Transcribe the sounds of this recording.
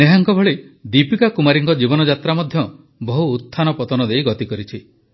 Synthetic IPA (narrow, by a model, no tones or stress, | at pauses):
neɦaŋkɔbʱɔɭed̪ipikakumaɾiŋkɔd͡ʒibɔnɔd͡ʒat̪ɾamɔd̪ʱjɔ | bɔɦuːt̪ʰːanɔpɔt̪ɔnɔd̪ejɡɔt̪ikɔɾit͡ʃʰi